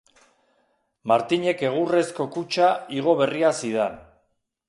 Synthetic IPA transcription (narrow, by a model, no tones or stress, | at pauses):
maɾt̪iɲe̞ke̞ɣ̞ure̞sko̞kut͡ʃaiɣ̞o̞β̞e̞riasiðan